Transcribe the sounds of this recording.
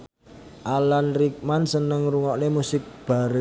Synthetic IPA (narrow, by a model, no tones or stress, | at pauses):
ʔalanrik̚mansənəŋruŋɔʔnemusɪk̚b̥a̤ɾə